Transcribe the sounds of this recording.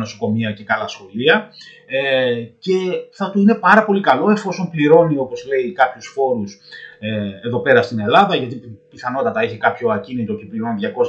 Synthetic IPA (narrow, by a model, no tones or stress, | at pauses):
no̞so̞ko̞miɐce̞kɐlɐsxo̞liɐ | ce̞θɐt̪uine̞pɐɾɐpo̞likɐlo̞e̞fo̞so̞mpliɾo̞nio̞po̞zle̞ikɐpçusfo̞ɾusee̞ðo̞pe̞ɾɐst̪ine̞lɐðɐʝɐt̪it̪piθɐno̞t̪ɐt̪ɐeçikɐpço̞ɐcinit̪o̞cepliɾo̞nðʝɐko̞s